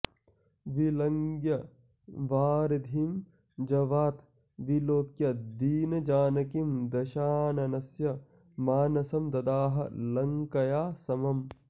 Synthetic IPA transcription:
ʋilɐŋɡjɐ | ʋaːɾɐd̪ʱim | d͡ʒɐʋaːt̪ | ʋiloːkjɐd̪iːnɐd͡ʒaːnɐkimd̪ɐʃaːnɐnɐsjɐ | maːnɐsɐmd̪ɐd̪aːɦɐ̰lɐŋkɐjaːsɐmɐm

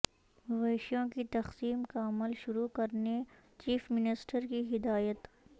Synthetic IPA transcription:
ʋeːʃjõkit̪ɐxsiːmkaɐməlʃʊɾukɐɾne | t͡ʃiːfmɪnɪsʈəɾkiɦɪd̪aːjət̪

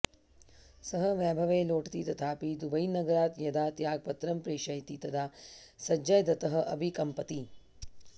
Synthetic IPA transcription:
sɐɦɐʋjaːbʱɐʋeːloːʈt̪it̪ɐt̪ʰaːpid̪ubɐjnɐɡɐɾaːt̪jɐd̪aːt̪jaːɡ̚pɐt̪ɾɐmpɾeːʃɐjt̪it̪ɐd̪ʰaː | sɐd͡ʒɐjd̪ɐt̪ɐɦɐ̆ʔɐbʱikɐmpɐt̪i

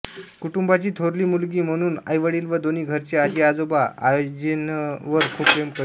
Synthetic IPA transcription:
kuʈumbat͡ɕiːt̪ʰoɾliːmulɡiːm̤əɽ̃uːna̰jʋəɽiːlʋəd̪oniːɡʱəɾt͡ɕead͡ʑiad͡zobaa̰jod͡ʑenʋəɾkʰuːb̚kɾemkə

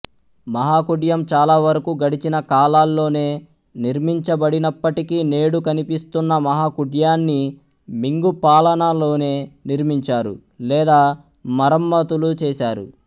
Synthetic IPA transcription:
mɐɦaːkuɖjɐmt͡ʃaːlaːʋɐɾɐkuɡɐɽit͡ʃinɐkaːlaːlːo̞ːne̞ː | niɾmiɲt͡ʃɐbɐɽinɐpːɐʈikine̞ːɽukɐnipist̪unːɐmɐɦaːkuɖjaːnːi | miŋɡupaːlɐnalo̞ːne̞ːniɾmiɲt͡ʃaːɾṵ | lɛːd̪aː | mɐɾɐmːɐt̪ulut͡ʃɛːsaːɾṵ

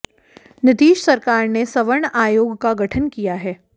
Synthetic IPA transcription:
nɪt̪iːʃsɐɾkaːɾnesɐʋəɳaːjoːɡkaɡɐʈʰənkijaɦɛː

